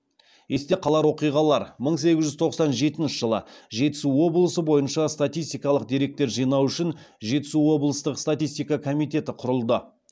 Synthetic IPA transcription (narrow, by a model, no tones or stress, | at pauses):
je̞st̪e̞qʰɑlˠɑɾwo̞qijʁɑlˠɑɾməɴse̞ɡʲɪzʒʏzt̪ʰo̞qsɑnʒe̞t̪ɪnʃɪʒəlˠə̰ʒe̞t̪ɪ̥suwo̞blˠəsəbo̞jənʃɑst̪at̪ijst̪ijkɑlˠəq̚d̪e̞ɾe̞k̚t̪e̞ɾʒijnɑwʏʃɪn | ʒe̞t̪ɪ̥suwo̞blˠəst̪əqst̪at̪ʲijst̪ijkɑkʰo̞mijt̪e̞t̪ɪqʰʊɾəlˠd̪ə